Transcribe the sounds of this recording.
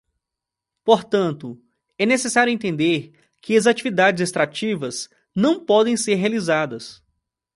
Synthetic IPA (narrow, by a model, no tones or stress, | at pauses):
poɾt̪ɐ̃nt̪ʊ | ɛnesesaɾjʊẽnt̪̬ẽnd̪eɾ | kɪɐzat͡ʃivid̪ad͡ʒɪzest̪ɾat͡ʃivɐs | nɐ̃w̃pɔd̪ẽj̃seɾɦealizad̪ɐs